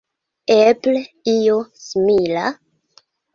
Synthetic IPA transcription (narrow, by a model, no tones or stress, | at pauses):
epleijosmila̰